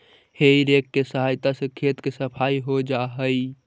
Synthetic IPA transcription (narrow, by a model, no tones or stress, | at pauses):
heiɾekːesəɦaːjt̪asə̃kʰet̪kesəpʰaiɦod͡ʒaɦəi